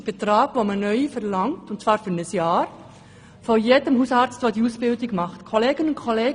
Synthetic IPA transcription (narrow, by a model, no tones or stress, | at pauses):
b̥etɾaːɡ̥ʋomənœʏfɛɾlɑŋtʊntt͡svɑːɾfyɾnəsjɑːɾ | fojeːdəmhuːsɑːɾt͡stʋoːdiuːsb̥ɪldɪɡmɑχtkʰoleːɡənʊnkʰoleː